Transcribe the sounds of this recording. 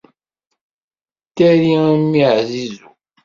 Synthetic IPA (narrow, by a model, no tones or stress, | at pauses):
t̪ːæɾimːiʕzizu